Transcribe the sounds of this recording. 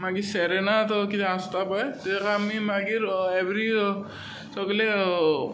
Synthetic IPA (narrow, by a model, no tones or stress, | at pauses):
maɡisɛɾenatɔkitastapajtitɛkaːmimaɡiɾebɹiɔ | sɔkɔlɛ